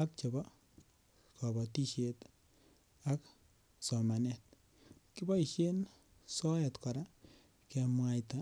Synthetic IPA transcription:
a˦k̚t͡ʃe˨bɔ˦ | ka˨bɔ˨ti˦ʃet | ak | sɔ˨ma˨nɛt̚ | ki˦bɔ˦i˨ʃe˦n | sɔ˦ɛ˨tka˨ɾa | ke˧mwa˧jta

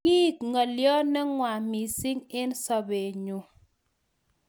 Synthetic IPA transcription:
i˦˨kŋɔ˨ljɔ˦nɛ˦ŋwa˨mi˨si˦ŋɪ˦nsɔ˨be˨ɲu˨

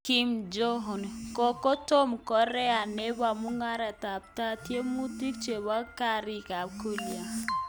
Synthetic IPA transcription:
ki˦md͡ʒo˦ɦɔ˨n˨kɔ˨ko˦to˦mkɔ˨˦ɾɛ˦a˨ne˦ba˨mu˦ŋa˦ɾɛ˨ta˨p̚ta˦tje˦mu˦ti˦k̚t͡ʃe˨ba˦ka˦ɾi˦ka˨b̚ko˦lja˨

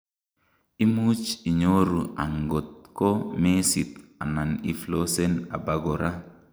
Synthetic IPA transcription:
i˦mu˦t͡ʃi˨ɲo˦ɾu˨a̰˨ŋɡo˨t̪̚ko˦me˦si˨t̪a˨na˨ni˨flo˦se˦na̰˨ba˦ɡo˨ɾʔa˦

